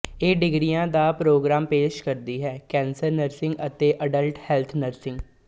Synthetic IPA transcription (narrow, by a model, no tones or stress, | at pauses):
eːɖɪɡɾiːjãːd̪aːpɾoːɡɾaːmpeːʃkəɾd̪iːɦɛːkɛ̃ːnsəɾnəɾsɪŋɡət̪eːʔəɖəlʈhɛːlt̪ʰnəɾsɪ̃ŋɡ